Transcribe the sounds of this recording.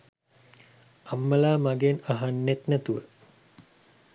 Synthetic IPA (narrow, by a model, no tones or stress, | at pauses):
amːəlaːmaɡenaɦanːet̪næt̪uʋə